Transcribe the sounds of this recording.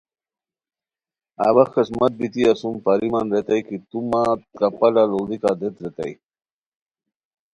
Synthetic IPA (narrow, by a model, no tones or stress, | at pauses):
a̰wɐxkɐsmɐt̪̚bit̪iɐsumpaɾimanɾet̪ɐjkit̪umat̪̚kɐpɐlaloːd̪ikad̪et̪ɾet̪ɐ̰j